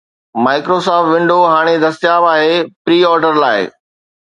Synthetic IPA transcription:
maːɪkɾosɔːpʋɪ̃ɳɖʱoɦaːɽ̃ed̪ɐst̪ɪjaːʋaːɦepɾiːɔːɾɖəɾlaːɪ̰

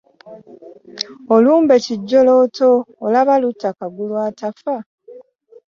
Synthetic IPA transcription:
oluːmbe̞ciɟːo̞lotʰoːlaβalutːakaɡulwaːtafa

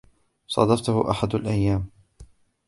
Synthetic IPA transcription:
sˤɑ̰d̪ɑft̪ʊhʊ̰ʔaħad̪alʔajːaːm

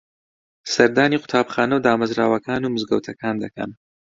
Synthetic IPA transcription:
sɐɾd̪aːniːqʊ̥t̪ʰaːbχaːnɐwd̪aːmɐzɾaːwɐkʰaːnumɨzɡɐwt̪ʰɐkaːnd̪ɐkʰɐ̰m

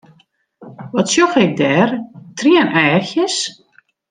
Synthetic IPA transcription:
ʋɔtsjɔxɪk̚dɛːrtʰriənʔɛːxjəs

